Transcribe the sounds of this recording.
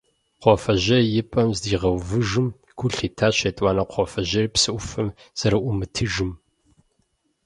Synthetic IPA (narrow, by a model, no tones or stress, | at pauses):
qʷɔfɐʑɐjɪpʼɐmzdiːʁɐwvɨʒɨm | ɡʷʰʊɬiːtʰaːɕeːtʼwɑːnɐqʷʰɔfɐʑɐrpsɨʔʷʊfɨm | z̥ɐɾɨʔʷʊmɨtʰɨʒɨm